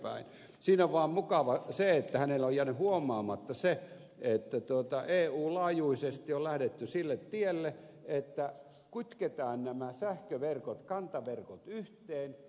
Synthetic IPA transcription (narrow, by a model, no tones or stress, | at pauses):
pæ̰in | siːnoʋʋɑːmmukɑʋɑseet̪ːæhænelojjænyhuomˑɑːmɑt̪ːɑse | et̪ːæt̪uot̪ɑʔeːuːlɑːjuisest̪iollæhdet̪ːysilːet̪t̪ielːe | et̪ːæ | kut̪ket̪ɑːnnæmæsæhkøʋerkot̪kɑnt̪ɑʋerkot̪yht̪eːn